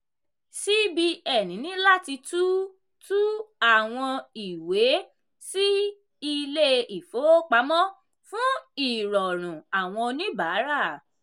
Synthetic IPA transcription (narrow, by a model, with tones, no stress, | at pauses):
si˦bi˧ɛ˨nĩ˨˦nĩ˨˦la˦ti˧tu˦ | tu˦a˦˨w̃ɔ̃˧i˨we˨˦ | si˦ | i˧le˦i˨fo˨˦o˦k͡pa˨˦mɔ̃˦ | fũ˦i˨ɾɔ˨ɾ̃ũ˨a˨w̃ɔ̃˧o˧nĩ˦ba˨˦ɾa˦˨